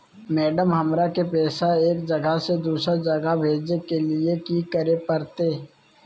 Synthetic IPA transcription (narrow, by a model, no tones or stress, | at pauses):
mɛːɖəmɦɐmɾakepɛːsaeːkd͡ʒɐɡased̪uːsɾad͡ʒɐɡabʱeːd͡ʒnekeliekikəɾepəɾt̪eː